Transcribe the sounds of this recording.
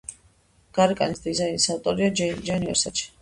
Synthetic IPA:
ɡ̥aɾikʼa̰nisd̪izainisaft̪ʼɔɾiad͡ʒaniɔ̰sat͡ʃʰi̥

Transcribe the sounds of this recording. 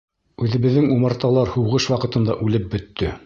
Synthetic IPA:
ʉðɘ̆βɘ̆ðːɘŋumɤ̆ɾt̪ɑlˠɑɾhuwʁɤʃwɑqɤ̆t̪ɤ̆nd̪ɑʔʉlɘp̚bɵ̆t̪ːɵ

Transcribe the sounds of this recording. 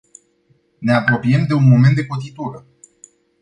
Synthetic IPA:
ne̞apɾo̞piemd̪e̞unmo̞me̞nt̪d̪ekot̪it̪uɾə

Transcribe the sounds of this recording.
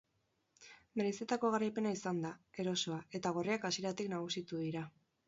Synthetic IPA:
me̞ɾeset̪ako̞ɣaɾajpe̞naisand̪ae̞ɾo̞so̞ae̞t̪aɣ̞o̞riakasje̞ɾat̪iknaɣ̞usit̪uðiɾa

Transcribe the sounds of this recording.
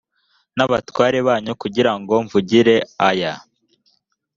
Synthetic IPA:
naβatwaːɾeβaːɲukuɟiɾaŋɡo̞ɱvuɟiɾe̞aja

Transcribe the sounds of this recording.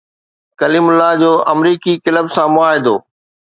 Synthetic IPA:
kɐliːmʊlad͡ʑoːʔɐmɾiːkikɪləbsãmʊaːɦed̪oː

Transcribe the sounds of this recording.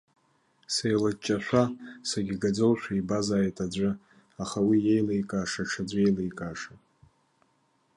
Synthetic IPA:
sejlat͡ʃʼːaʃᶣʷasaɡʲiɡad͡zolʃʷᶣaibazaːjtʼad͡ʒʷʼɨ | aχawije̞jlejkʼaːʂaʈ͡ʂʰad͡zʷe̞jlejkʼaːʂa

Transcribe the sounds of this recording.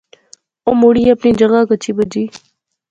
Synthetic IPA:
omuːɽiːɐpniːd͡ʒəɣakət͡ʃʰiːbəd͡ʒiː

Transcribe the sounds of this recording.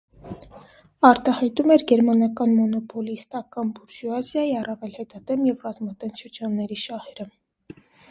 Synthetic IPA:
ɑɾt̪ɑhɑjt̪umɛɾɡɛɾmɑnɑkɑnmɔnɔpɔlist̪ɑkɑnbuɾʒuɑzjɑjiɑrɑvɛlhɛt̪ɑd̪ɛmjɛvrɑzmɑd̪ɛnʃəɾd͡ʒɑnːɛɾiʃɑhɛɾə

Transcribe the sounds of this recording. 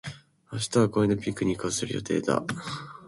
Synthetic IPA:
aɕ̬i̥t̪aβakoinopʲikːɯ̟ɲ̟ikɯsɨɾɯ̟jo̞̰t̪e̞ːd̪a̰

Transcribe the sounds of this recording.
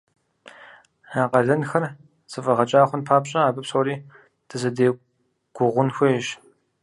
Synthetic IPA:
aːqɐɮɐnxɐr | zɨfʼɐʁɐt͡ʃʼaːχʷʊnpʰaːpɕʼɐaːbɨpsoːɾiː | d̥ʰɨzɐdeː | ɡ̥ʷʊʁʷʊnxʷejʒ

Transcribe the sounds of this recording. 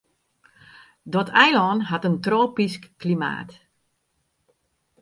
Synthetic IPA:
dɔtʰɛjlɔːnɦatəntroːpiskːlima̰ːt

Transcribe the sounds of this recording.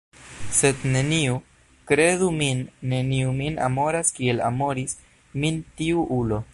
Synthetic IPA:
se̞d̪ne̞niu | kɾe̞duminːe̞niumina̰mo̞ɾaskiela̰mo̞ɾis | mintiuʔulo̞

